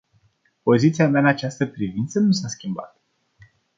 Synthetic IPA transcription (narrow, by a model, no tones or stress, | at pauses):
po̞zit̪siameaɨnat͡ʃast̪əpɾivint̪sənusaskʲimba̰t̪